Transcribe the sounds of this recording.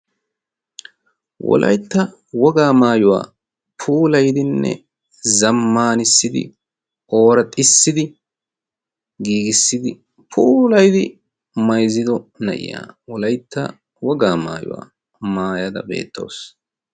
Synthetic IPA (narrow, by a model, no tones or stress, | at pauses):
wɔ̰lʔɐ̰jt̪ːɐ | wɔɡaːmaːjʊwa̰ː | pʰuːlɐjd̪ɪnːɛ̰ | zɐmːaːnɪsːɪd̪ɪ̰ | o̞ːɾɐt̪ʼːɪsːɪd̪ɪ | ɡiːɡɪsːɪd̪ɪ | pʰuːlɐjd̪ɪ | mɐjzɪd̪ɔnɐ̰ʔɪ̰ja̰ːwɔlɐjt̪ːɐ | wɔɡaːma̰ːjʊ̰wa̰ː | maːjɐd̪ɐ̰be̞̰ːt̪ːo̞̰ːs